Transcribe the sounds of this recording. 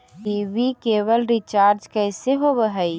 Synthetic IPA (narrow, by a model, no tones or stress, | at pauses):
iʋikeːʋəlɾit͡ʃaːɾd͡ʒkəːseɦobəɦəi